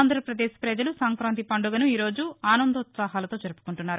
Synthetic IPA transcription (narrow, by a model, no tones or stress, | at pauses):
nd̪ʱɾɐpɾɐd̪e̞ːspɾɐd͡ʒɐlusaːŋkɾaːnt̪ipɐɳɖuɡɐnuiːɾo̞ːd͡ʒuaːnɐnd̪ɐut̪saːɦaːlɐt̪o̞ːd͡ʒɐɾupu̥kuɳʈunːaːɾu